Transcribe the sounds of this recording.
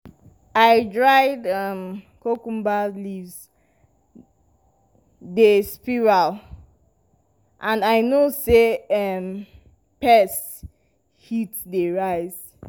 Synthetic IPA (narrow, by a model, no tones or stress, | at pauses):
aɪdɹaɪdʌm | kokũmbalivz | despiɹal | ʔãndaɪnoseʌm | pɛs | hitdeɹaɪz̥